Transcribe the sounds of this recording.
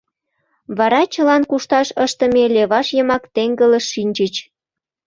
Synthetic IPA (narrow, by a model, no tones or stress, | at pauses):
βɑɾɑt͡ɕəlɑnkuʃt̪ɑʃəʃt̪ə̆meleβɑʃjəmɑkt̪eŋɡələʃːinʲt͡ɕət͡ɕ